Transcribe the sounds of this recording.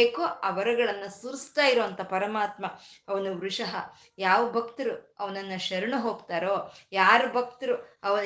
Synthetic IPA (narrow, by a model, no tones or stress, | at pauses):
eːkoɐʋɐɾɐɡɐɭɐnːɐsuɾst̪aːjiɾoːɐnt̪ɐpɐɾɐmaːt̪mɐɐʋɐnuʋɾuʂɐɦɐ | jaːʋɐbʱɐkt̪ɐɾuɐʋɐnɐnːɐʃɐɾɐɳuɦoːɡt̪aːɾoːjaːɾubʱɐk̚t̪ɐɾuɐʋɐ